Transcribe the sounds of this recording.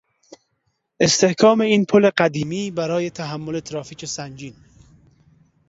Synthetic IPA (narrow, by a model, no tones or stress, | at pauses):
ʔest̪ʰe̞hkʰɒːme̞iːnpʰole̞ɢæd̪iːmiːbæɾɒːje̞t̪ʰæɦæmːolet̪ʰɾɒːfiːcʰesænd͡ʒiːn